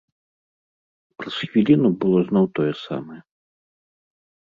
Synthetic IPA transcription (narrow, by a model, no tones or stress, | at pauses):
pɾɐsxvʲilʲinubɨlˠɔznɔwt̪ɔjɛsa̰mɐjɛ